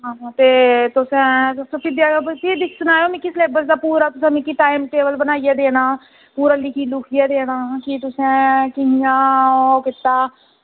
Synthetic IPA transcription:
ɦaːaːt̪eːt̪ʊsẽːsʊsõːpɪd̪jaːt̪id̪ɪkʰsʊnaːjoːmĩːkɪsleːbəsd̪aːpuːɾaːt̪ʊsɛ̃ːmĩːkiːʈaːɪmʈeːbəlbənaːijaːd̪eːɽaː | puːɾaliːkiːlʊkʰijaːd̪eːɽaːkɪt̪ʊsẽːkɪɦɪjãːkɪt̪ːaː

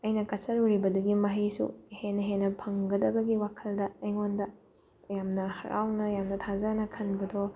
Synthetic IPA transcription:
ɐjnɐkɐsɐɾuɾibɐduɡimɐɦɐjsṵhenːɐɦenːɐpʰɐŋɡɐdɐbɐɡiwakʰɐldɐːjŋondɐ | jamnɐhɐ̰ɾa̰wnɐjamnɐtʰazɐnɐkʰɐnbɐdo

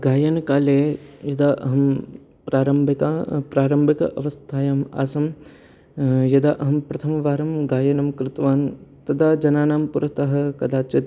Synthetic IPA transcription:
ɡaːjɐnkaːleːjɐd̪aːʔɐɦɐm | pɾaːɾɐmbʱikapɾaːɾɐmbʱɐkɐ̰ʔɐʋɐst̪ʰaːjaːma̰ːsɐm | jɐd̪aːʔɐɦɐmpɾɐt̪ʰɐmɐʋaːɾɐmɡaːjɐnɐmkɾɪt̪ʋaːnt̪ɐd̪aːd͡ʒɐnaːnaːmpuɾɐt̪ɐɦɐ̆kɐd̪aːt͡ʃɐt̪

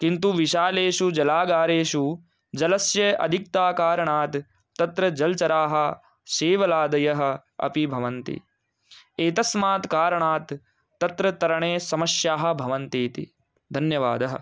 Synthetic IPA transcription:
kint̪uʋiʃaːleːʃud͡ʒɐlaːɡaːɾeːʃu | d͡ʒɐlɐsjɐʔɐ̰d̪ʱik̚t̪aːkaːɾɐɳaːt̪ː | ɐt̪ɾɐd͡ʒɐlt͡ʃɐɾaːɦɐ̆ | ʃeːʋɐlaːd̪ɐjɐɦɐ̆ɐ̰pibʱɐʋɐnt̪ḭ | eːt̪ɐsmaːt̪kaːɾɐɳaːt̪ː | ɐt̪ɾɐt̪ɐɾɐɳeːsɐmɐʃjaːɦɐ̆bʱɐʋɐnt̪iːt̪ḭ | d̪ʱɐnjɐʋa̰ːd̪ɐɦɐ̰̆

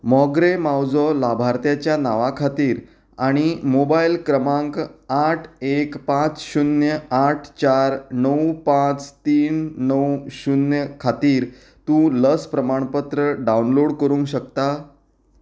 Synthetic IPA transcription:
mɔɡɾemawd͡zɔlabʱaɾt̪jat͡ɕjanaʋakʰat̪iːɾ | aɽ̃imobailkɾəmãŋkaʈʰekpãt͡sɕunjəaʈʰt͡ɕaɾnəwpãt͡st̪iːnnəwɕunjəkʰat̪iːɾ | t̪ũləspɾəmaɳ̃pət̪ɾəɖaunloɽkəɾũːŋkɕək̚t̪a

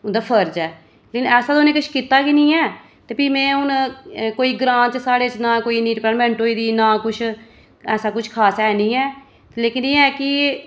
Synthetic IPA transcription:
ʊnd̪aːpʰəɾd͡ʒɛː | leːkɪnɛːsaːd̪oːnẽːkʊt͡ʃʰkiːt̪ːaːkinĩːɛː | t̪eːpiːmɛ̃ːʊnkoːiːɡɾãːnt͡ʃsaːɽeːt͡ʃnãːkoːiːnĩːʈpəːnmɛ̃ɳʈɦoːiːd̪iːnãːkʊt͡ʃʰ | ɛːsaːkʊt͡ʃʰkʰaːsɛːnĩːɛː | leːkɪneːɛːkɪ

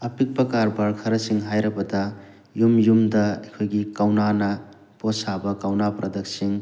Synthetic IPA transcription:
ɐpik̚pɐkaɾbɐɾkʰɐɾɐsiŋɦajɾɐbɐta | jumjumdɐekʰojɡikawnanɐ | posabɐkawnapɾʔɐd̪ɐk̚siŋ

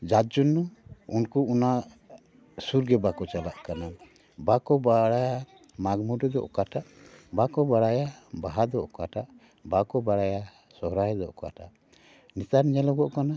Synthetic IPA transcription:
d͡ʒad͡ʒunːuunkuuna | suɾɡɛbakɔt͡ʃalaʔkana | bakɔbaɽaja | maɡmuɖɔd̪ɔ̰ʔkaʈaʔbakɔbaɽajabaɦad̪ɔʔkaʈaʔ | bakɔbaɽaja | sɔɦɾajd̪ɔʔkaʈaʔ | nit̪aɾɲɛlɔɡɔʔkana

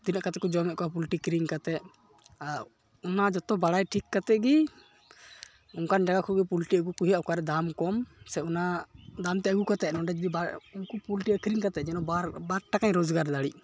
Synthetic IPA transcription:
d̪inaʔkat̪ɛkɔd͡ʒɔmɛʔ̚kɔapulʈikɾiŋkat̪ɛʔ | aɾ | unad͡ʒɔt̪ɔbaɽajʈʰikːat̪ɛʔɡi | uŋkand͡ʒaɡakʰɔɡɛpulʈiəɡukuɦiaʔukaɾɛd̪amkɔmsɛunad̪amt̪ɛʔəɡukat̪ɛnɔɖɛd͡ʒud̪ibaunkupulʈiəkɾiŋkat̪ɛd͡ʒɛnɔaɾbaɾʈakaɲɾɔd͡ʒɡaɾd̪aɽiʔ

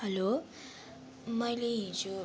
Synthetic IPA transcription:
hʌlo | mʌjleɦint͡sʰu

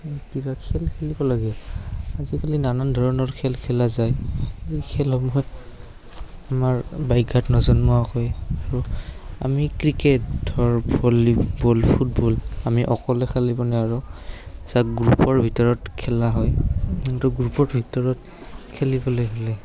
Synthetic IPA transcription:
kiɹakʰɛlkʰelibɔlaɡɛazikalinanandʱɔɹɔnɔɹkʰɛlkʰɛlazajekʰɛlɦɔmɦɔj | amaɹbajɡʱatnɔzɔnmɔakɔjaɹua̰mikɹiketdʱɔɹbɔlibɔlpʰut̚bɔlamiʔɔkɔlɛkʰalibɔnɛaɹusakɡɹupɔɹbʱitɔɹɔtkʰɛlaɦɔjtuɡɹupɔɹbʱitɔɹɔt | kʰelibɔlojɦɛlɛ

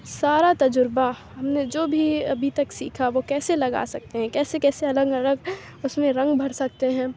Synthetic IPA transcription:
saːɾat̪ɐd͡ʒʊɾbaɦɐmned͡ʒoːbʱiɐbʱit̪ɐksḭːkʰaʋokɛːselɐɡa̰ːsɐk̚t̪eɦɛ̃kɛːsekɛːseɐləɡɐləɡ | ʊsmẽɾɐ̃ŋɡbʱɐɽ̤sɐk̚t̪eɦɛ̃ː

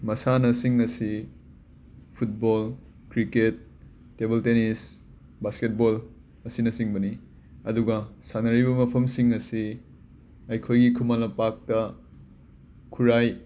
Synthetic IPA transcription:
mɐsanɐsiŋɐsi | pʰut̚bol | kɾiket̚ː | ebeltenis | basket̚bol | ɐsinɐsiŋbɐni | ɐduɡɐsanɐɾibɐmɐpʰɐmsiŋɐsi | ɐjkʰojɡikʰumalɐpak̚tɐ | kʰuɾaj

